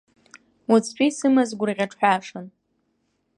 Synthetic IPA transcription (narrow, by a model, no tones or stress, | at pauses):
wat͡sʰt͡ɕʷʼisɨmazɡʷʊriʁʲaʈ͡ʂʰħʷᶣaʂan